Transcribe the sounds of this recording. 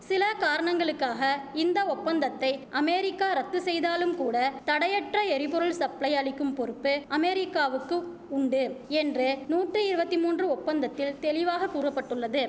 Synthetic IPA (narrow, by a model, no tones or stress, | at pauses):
sɪlɐkaːɾɐɳɐŋɡɐɭɯkːaːɣɐɪnd̪ɐɔpːɐnd̪ɐt̪ːɐɪʔɐmeːɾɪkːaːɾɐt̪ːɯsɛjðaːlɯmkuːɽɐt̪ɐɽɐjɐʈrɐɛɾɪpɔɾɯɭsɐplɐɪɐɭɪkːɯmpɔɾɯpːɯʔɐmɛːɾɪkːaːʋɯkːɯ | ʊɳɖɯɛndrɯnuːʈrɯɪɾɯbɐt̪ːɪmuːndrɯɔpːɐnd̪ɐt̪ːɪlt̪ɛlɪʋaːɣɐkːuːrɐpːɐʈːɯɭːɐðɯ